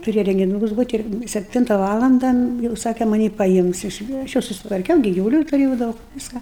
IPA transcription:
tʊˈrʲeːjɛ rʲɛŋʲɡʲɪˈnuːkʊs ˈbuːtʲ ɪr sʲɛpʲˈtʲɪntɐ ˈʋɑːlˠɐndɐ jɛʊ ˈsɑːkʲɛ mɐˈnʲiː pɐˈɪms ɪʃ ɐʃ ˈjɛʊ sʊsʲɪtʋɐrʲˈkʲɛʊ ɡʲɪ ɡʲɪʋʊˈlʲuː tʊˈrʲeːjɛʊ ˈdɐʊk ˈʋʲɪskɑː

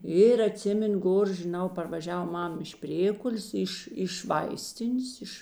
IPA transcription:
ɪr ɐˈtʲsʲɪmʲɛnʊ ˈɡoːr ʒʲɪˈnɐʊ pɐrʋɐˈʒʲɛw ˈmɐm ɪʃ ˈpʲrʲeːkʊlʲeːs ˈɪʃ ɪʃ ˈʋɐɪsʲtʲɪnʲeːs ˈɪʃ

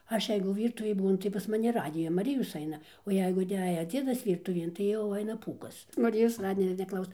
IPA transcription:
ˈɐʃ ˈjɛɪɡʊ ˈʋʲiːrtʊʋʲeːj ˈbuːnʊ tɐɪ pɐs mɐˈnʲɪ ˈrɑːdʲɪjɛ mɐˈrʲɪjoːs ˈɐɪnɐ oː ˈjɛɪɡʊ ɪˈnʲæːjɛ ˈd͡zʲiɛdɐs ˈʋʲiːrtʊʋʲiɛn tɐɪ jɛʊ ˈɐɪnɐ ˈpuːkɐs mɐˈrʲɪjoːs ˈrɑːdʲɪjoː nʲɛˈklˠɐʊsoː

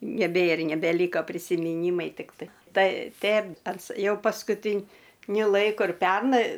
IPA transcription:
nʲɛˈbʲeːr nʲɛbʲɛˈlʲiːkɐ pʲrʲɪsʲɪmʲɪˈnʲiːmɐɪ ˈtʲɪktɐɪ ˈtɐɪ ˈtʲɛn ˈɐns ˈjɛʊ pɐskʊˈtʲɪnʲʊ ˈlˠɐɪkʊ ɪr ˈpʲɛrnɐɪ

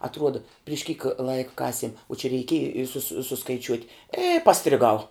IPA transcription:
ɐtˈruɔdɐ pʲrʲɪʃ kʲiːk ˈlˠɐɪkɐ ˈkɑːsʲiɛm oː t͡ʃʲɛ rʲɛɪˈkʲiɛjɪ ɪ ˈsʊsʲɪ sʊskɐɪˈt͡ʃʲuɔtʲ ɪ pɐsʲtʲrʲɪˈɡɐʊ

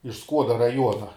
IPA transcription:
ɪʃ ˈskuɔdɐ rɐˈjuɔnɐ

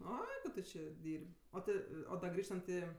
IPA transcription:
ˈoːɪ ˈtʊ t͡ʃʲɪ ˈdʲiːrʲpʲ ˈoː tʲɪ oː dɐ ˈɡrʲiːʃtɐnt ɪ

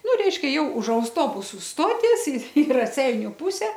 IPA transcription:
ˈnʊ ˈrʲɛɪʃʲkʲɛ ˈjɛʊ ʊʃ ɐʊsˈtoːbʊsʊ ˈstoːtʲiɛs ɪ ɪ rɐˈsʲɛɪnʲʊ ˈpʊsʲɛ

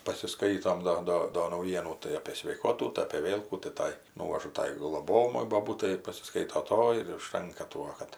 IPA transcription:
pɐsʲɪˈskɐɪtoːm ˈdoː ˈdoː doː nɐʊˈjiɛnuː tɐɪ ɐpʲeː sʲʋʲɛɪˈkoːtuː tɐɪ ɐpʲeː ˈʋʲeːlˠ kuː tɐɪ ˈtɐɪ ˈnuːʋɐʒʊ ˈtɐɪ ɡlˠoːˈboːjɛmɐɪ boːˈbuːtɐɪ ɪr pɐsʲɪˈskɐɪtoː ˈtoːjɪ ɪr ʊʃˈtɐŋkɐ ˈtuɔ kɐt

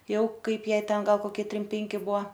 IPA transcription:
ˈjɛʊ ˈkɐɪp ˈjɛɪ ˈtʲɛn ˈɡɐlˠ koːˈkʲiɛ ˈtʲrʲɪm ˈpʲɛŋʲkʲɪ ˈbuɔ

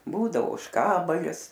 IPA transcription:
ˈbuːdɐʋoː oːʃˈkɑːbɐlʲɪs

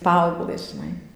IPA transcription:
ˈpɐɐʊɡlˠɘs ˈʒʲɪnɐɪ

